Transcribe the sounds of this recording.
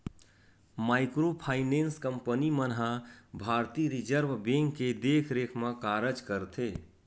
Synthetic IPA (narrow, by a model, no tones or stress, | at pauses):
maɪkɾopʰaɪnenskəmpənimənɦabʱaɾt̪iɾid͡ʒəɾbʱbẽŋkːed̪ekʰɾekʰmãkaɾəd͡ʒkəɾt̪ʰe